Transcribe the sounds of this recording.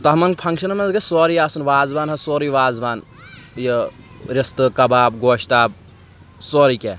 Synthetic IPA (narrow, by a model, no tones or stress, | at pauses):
t̪ɐɦmɐŋɡpʰɐŋkʃɐnmɐnzɡesoːɾiaːsunʋaːzbaːnɦɐsoːɾiʋaːzbaːn | je | ɾɪst̪ɨkɐbaːb̚ɡoːʃt̪aːb̚ | soːɾikeː